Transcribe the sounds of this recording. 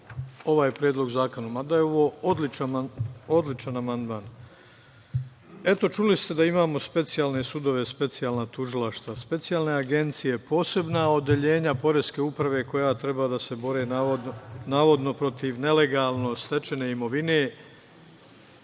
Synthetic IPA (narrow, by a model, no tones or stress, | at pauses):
o̞ʋaːjepɾjeːd̪lˠo̞ɡzaːkonomad̪ajeo̞ʋoːod̪lit͡ʃamao̞d̪lit͡ʃanamand̪maːn | e̞t̪o̞t͡ʃulist̪e̞d̪aimaːmo̞spe̞t̪sijaːlne̞sud̪o̞ʋe̞spe̞t̪sijaːlnat̪uʒilaʃt̪ʋaspe̞t̪sijaːlˠne̞aɡe̞nt̪sije̞po̞ːse̞bnao̞d̪je̞ʎe̞ːɲapo̞ɾeske̞upɾaʋe̞ko̞jat̪ɾe̞baːd̪ase̞bo̞ɾe̞ːonaːʋo̞d̪no̞pɾo̞t̪iʋne̞le̞ɡaːlˠno̞st̪e̞t͡ʃe̞ne̞imo̞ʋineː